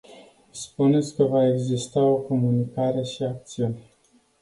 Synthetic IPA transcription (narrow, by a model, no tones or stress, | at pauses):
spune̞t̪sʲkəvaeɡzist̪ao̞ko̞munikaɾe̞ʃiak̚t̪siun